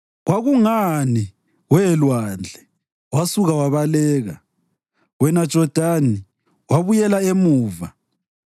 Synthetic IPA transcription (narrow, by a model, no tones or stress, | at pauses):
ɣwaɣuŋani | wɛlwand͡ɮʱɛ | wasuɣawaβalɛːɣa | wɛnad̥ʒ̥ʱɔd̥ʱani | waβujɛlaemuːva